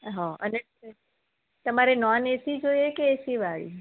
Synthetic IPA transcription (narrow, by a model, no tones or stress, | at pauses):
ɦãəne | t̪əmaɾenɔnesid͡ʒoiekeesiʋaɭḭ